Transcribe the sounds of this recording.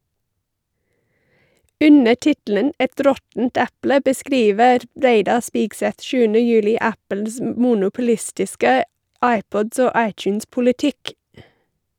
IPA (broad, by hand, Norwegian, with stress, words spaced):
ˈʉnə ˈʈɪtl̩ən ˈɛt ˈɾɔtn̩t ˈɛplə bəˈskɾiːʋəɾ ˈɾeɪdɑ ˈspiːɡˌsɛt ˈʃʉːənə ˈjʉːlɪ ˈæpəls m ˈmuːnʊpʊˌlɪstɪskə ˈɑɪˌpɔd ˈoː ˈɑɪtjʉnspʊlɪˌtɪk